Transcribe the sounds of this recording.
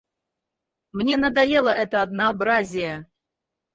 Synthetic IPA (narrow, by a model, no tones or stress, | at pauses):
mnʲenɐd̪ajelˠəʔɛt̪əɐd̪nəːbɾazʲɪjə